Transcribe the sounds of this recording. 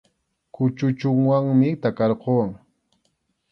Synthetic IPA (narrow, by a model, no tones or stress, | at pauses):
kʊt͡ʃʊt͡ʃʊŋwaŋmɪt̪akɑɾqowaŋ